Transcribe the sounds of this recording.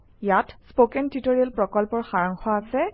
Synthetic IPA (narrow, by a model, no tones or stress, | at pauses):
jatspokɛntitoɹiɛlpɹɔkɔlpɔɹxaɹaŋxɔasɛ